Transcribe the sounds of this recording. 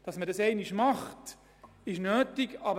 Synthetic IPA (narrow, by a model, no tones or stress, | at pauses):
d̥ɑsmədɑsɛɪniʃmɑχt | ɪʃnøːtiɡɑbə